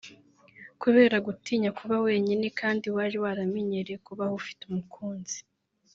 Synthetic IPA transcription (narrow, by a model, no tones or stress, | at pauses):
kuβe̞ːɾaɡutiːɲakuβawe̞ːɲine̞kaːndiwaɾiwaɾamiɲeɾekuβahufi̥tumukʰuːnzi̥